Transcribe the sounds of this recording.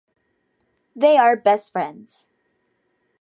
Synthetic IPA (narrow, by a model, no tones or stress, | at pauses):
ðeɪəɹbɛstfɹɛ̃ndz̥